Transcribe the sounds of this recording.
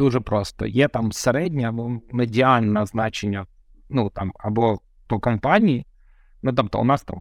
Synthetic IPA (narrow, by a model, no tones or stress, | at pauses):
uʐɛpɾost̪ə̰jet̪amsɛɾɛdʲnʲɪɐbomɛdʲɪalʲnɐəznat͡ɕɪnʲːə | nut̪a̰mɐbo | pokɐmpanʲɪː | nut̪amt̪ʊ̰nast̪a̰m